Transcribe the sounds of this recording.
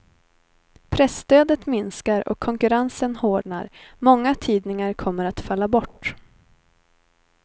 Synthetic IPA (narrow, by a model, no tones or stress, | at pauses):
pʰɾɛst̪øːd̪ət̪mɪnskaɾɔ̰kʰːɔŋkɵɾansənhoːɖɳa̰ɾmɔŋːat̪ʰiːd̪nɪŋaɾkʰɔmːəɾat̪falːabɔʈː